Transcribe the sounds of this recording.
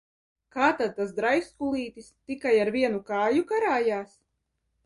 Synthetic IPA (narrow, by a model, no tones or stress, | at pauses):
kaːt̪ad̪̚t̪as̬d̪ɾajskulˠiːt̪ist̪ikajaɾvʲiɛnukaːjukaɾaːjaːs